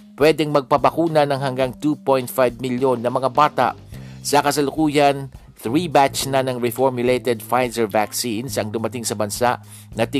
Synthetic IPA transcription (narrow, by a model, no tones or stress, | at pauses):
pwɛd̪ɛŋmɐɡ̚pɐbɐkuːnɐnɐŋɦɐŋɡaŋt̪upojnt̪̚fajvmɪljo̞nːɐmɐŋabaːt̪a̰ʔ | sɐkɐsɐlʊkuːjɐn | θɹibat͡ʃsnɐnɐŋɹɛfɔɹmjʊlejt̪ɛd̪fajzɛɹvaksinsʔɐŋd̪ʊmɐt̪ɪŋsɐbɐnsa̰ʔ | nɐt̪ɪ